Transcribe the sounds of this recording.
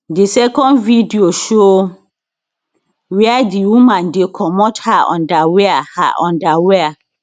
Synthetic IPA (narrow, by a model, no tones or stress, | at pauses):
disɛkɔ̃ndvidioʃo | wɛadiwĩmãndekʰɔmɔthaʔɔ̰̃ndaweaha̰ʔɔ̃ndawea